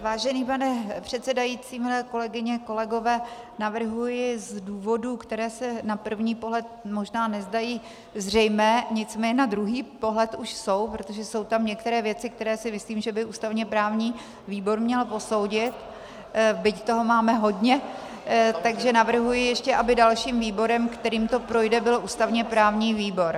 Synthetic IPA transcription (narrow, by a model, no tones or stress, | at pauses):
vaːʒɛniːpanɛpr̝̥ɛt̪sɛdajit͡siːmɪlɛko̞lɛɡɪɲɛko̞lɛɡo̞vɛː | navr̩ɦujɪzduːvo̞duːkt̪ɛɾɛːsɛnapr̩vɲiːpo̞ɦlɛt̪̚mo̞ʒnaːnɛzdajiː | zr̝ɛjmɛːɲɪt͡smɛːɲɛnad̪ɾuɦiːpo̞ɦlɛt̪uʃso̞wpɾot̪o̞ʒɛso̞wt̪amɲɛk̚t̪ɛɾɛːvjɛt͡sɪk̚t̪ɛɾɛːsɪmɪsliːmʒɛbɪʔuːst̪avɲɛpɾaːvɲiː | viːbo̞ɾmɲɛlpo̞so̞wɟɪt̪ | bɪct̪o̞ɦomaːmɛɦo̞dɲɛ | t̪aɡʒɛnavr̩ɦujɪjɛʃcɛʔabɪdalʃiːmviːbo̞ɾɛmkt̪ɛɾiːmt̪o̞pɾo̞jdɛbɪloʔuːst̪avɲɛpɾaːvɲiːviːbo̞ɾ